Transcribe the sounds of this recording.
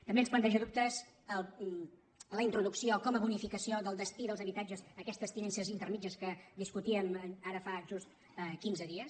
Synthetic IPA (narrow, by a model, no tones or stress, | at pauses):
t̪əmbensplənt̪ɛʒəðup̚t̪əz | ə | ləint̪ɾuðuksiokɔməβunifikəsioðəlˠd̪əst̪iðəlˠzəβit̪ad͡ʒəzəkɛst̪əst̪inɛnsəzint̪ərmid͡ʒəskəd̪iskut̪iəməaɾəfaʒust̪ | kinzəðiəs